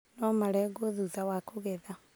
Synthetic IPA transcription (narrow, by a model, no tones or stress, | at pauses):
nɔmaɾɛɡoðuðawakoɣɛða